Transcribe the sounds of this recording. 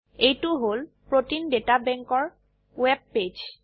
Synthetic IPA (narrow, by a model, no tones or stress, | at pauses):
ejtuɦolpɹotindetabɛŋkɔɹ | wɛb̚ped͡ʒ